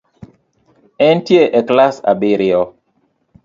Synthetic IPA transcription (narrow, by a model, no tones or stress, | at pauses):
ɛntjeʔɛklasa̰bɪɾɪɔ